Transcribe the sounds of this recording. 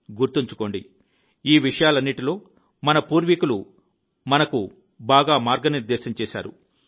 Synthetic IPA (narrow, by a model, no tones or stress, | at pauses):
ɡuɾt̪iɲt͡ʃu̥ko̞ːɳɖḭ | iːʋiʂɐjaːlɐnːiʈilo̞ː | mɐnɐpuːɾʋikulu | mɐnɐku | baːɡaːmaːɾɡɐniɾd̪ɛːʃɐmt͡ʃɛːʃa̰ːɾṵ